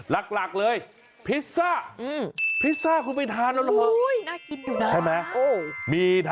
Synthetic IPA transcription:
la˨˩k̚la˨˩k̚lɤː˧j | pʰi˦˥saː˥˩ʔɯː˧˩mpʰi˦˥t̪̚saː˥˩kʰuː˧˩pa˧jt̪ʰaː˧nlla˧kʰɔ˧˥˩jnaː˥˩ki˧njuː˨˩nt͡ɕa˥˩jmɛ˦˥o˧˩miː˧t̪ʰ

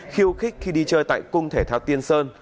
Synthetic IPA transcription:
xi˧əwxi˦˥k̚xi˧ɗi˧t͡ɕəː˧jt̪a̰ː˧˨jkʊ˧ŋ͡mt̪ʰe˧˩t̪ʰaː˧wt̪i˧ənsəː˧n

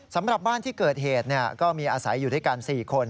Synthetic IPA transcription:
sa˩˦mɾa˨˩p̚baː˥˩nt̪ʰiː˥˩kɤː˨˩t̪̚ɦeː˨˩t̪̚ni˥˩ɐkɔː˥˩miː˧ʔaː˧sa˩˦jːuː˨˩taː˥˩kaː˧nsiː˨˩kʰo˧n

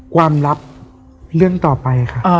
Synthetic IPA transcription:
kʰwaː˧mɾa˦˥p̚ | ɾɯ˥˩əŋt̪ɔː˨˩pa˧ja˩kʰa˥˩ʔ

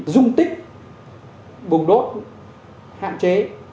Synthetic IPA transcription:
zʊ˧ŋ͡mt̪ï˦˥k̟̚ | ɓʊ˨˩ŋ͡mɗo˦˥t̚ | ha̰ː˧˨nt͡ɕe˨˦

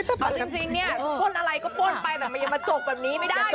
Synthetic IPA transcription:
kʰa˨˧˩t͡ɕi˧ŋt͡ɕi˧ŋni˦˥ɐ˧kʰo˧˥˩nʔa˧ɾa˧jkɔː˥˩poː˧˥˩npa˧jt̪ɛː˨˩ma˧nja˧ma˧t͡ɕo˨˩k̚bɛː˨˩p̚niː˦˥ma˥˩jda˥˩

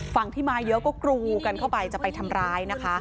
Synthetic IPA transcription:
fa˨˩ŋt̪ʰiː˥˩maː˧jɤ˦˥ʔkɔː˥˩kɾuː˧ka˧nkʰa˥˩wpa˧jt͡ɕa˨˩pa˧jt̪ʰa˧mɾaː˦˥jna˦˥kʰa˦˥

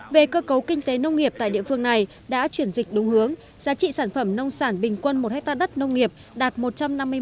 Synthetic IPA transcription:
ve˨˩kəː˧kə˨˦wkï˧ŋ̟t̪e˨˦nə˧wŋ͡mŋi˨˩əp̚t̪a̰ː˧˨jɗḭ˧˨əfɨ˧əŋna˨˩j | ɗa̰ː˧˥t͡ɕwi˧˩ənzï˨˩k̟̚ɗʊ˨˦wŋ͡mhɨ˨˦əŋ | zaː˨˦t͡ɕḭ˧˨saː˧˩nfə˧˩mnə˧wŋ͡msaː˧˩nɓï˨˩ŋ̟kwə˧nmo˨˩t̚hɛ˦˥k̚t̪aː˧ɗə˦˥t̚nə˧wŋ͡mŋi˨˩əp̚ | ɗaː˨˩t̚mo˨˩t̚t͡ɕa˧mna˧mː˧

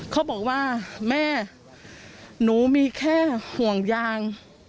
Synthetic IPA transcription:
kʰaː˦˥˩bɔː˨˩k̚waː˥˩mɛː˥˩ | nuː˩˦miː˧kʰɛː˥˩hu˨˩əŋjaː˧ŋ

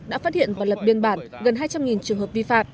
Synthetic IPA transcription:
ɗa̰ː˧˥faː˦˥t̚hḭ˧˨ənvaː˨˩wlə˨˩p̚ɓi˧ənɓaː˧˩nɣə˨˩nhɦaː˧jt͡ɕa˧mŋi˨˩nt͡ɕɨ˨˩əŋɦə˨˩p̚vi˧fa̰ː˧˨mʔ

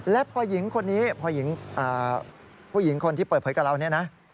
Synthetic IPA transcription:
lɛ˦˥pʰɔː˧ji˩˦ŋkʰo˧nːiː˦˥pʰɔː˧ji˩˦ŋʔaː˨˩ | pʰuː˥˩ji˩˦ŋkʰo˧nt̪i˥˩pəː˨˩t̪̚ʰɤː˩˦jka˨˩ɾa˧wni˥˩ɐna˦˥ʔ

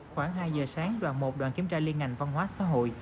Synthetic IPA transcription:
xwaː˧˩ŋɦaː˧jzəː˨˩saː˨˦ŋɗwa̰ː˧˨nmo˨˩t̚ɗwa̰ː˧˨nki˧˩əmt͡ɕaː˧li˧ənŋa˨˩jŋ̟va˧nwaː˨˦sa̰ː˧˥ɦo̰˧˨j

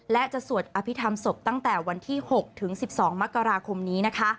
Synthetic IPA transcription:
lɛ˦˥t͡ɕa˨˩su˨˩ət̪̚ʔaː˧pʰi˦˥t̪ʰa˧mso˨˩p̚t̪a˥˩ŋt̪ɛː˨˩wa˧nt̪ʰiː˥˩ho˨˩k̚t̪ʰɯ˩˦ŋsi˨˩p̚sɔː˩˦ŋma˦˥kːa˧ɾaː˧kʰo˧mniː˦˥na˦˥kʰa˦˥

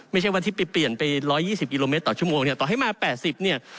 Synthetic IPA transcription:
ma˥˩jt͡ɕʰa˥˩jwaː˧˥˩t̪ʰi˥˩pa˧pli˨˩ənpa˧jɾɔː˦˥jːiː˥˩si˨˩ki˧loː˧me˦˥t̪ːɔː˨˩t͡ɕu˥˩əmoː˧ŋni˥˩ɐt̪ɔː˨˩ɦa˥˩jmaː˧pɛː˨˩t̪̚si˨˩p̚ni˥˩ɐ

